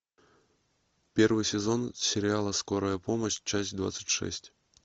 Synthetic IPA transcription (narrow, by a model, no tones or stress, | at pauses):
pʲɛrvɨsʲɛzɔnsʲɪɾʲialˠɐskɔɾɐjɐpɔmɐt͡ɕt͡ʂasʲd̪va̰t̪sə̥t͡sʲʂɛ̰sʲt͡sʲ